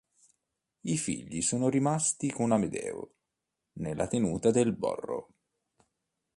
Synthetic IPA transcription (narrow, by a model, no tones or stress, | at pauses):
ifḭʎːisoːnoɾimast̪ikonamed̪ɛ̰ːo̰ | nelʔat̪enuːt̪ad̪elbɔ̰rːo̰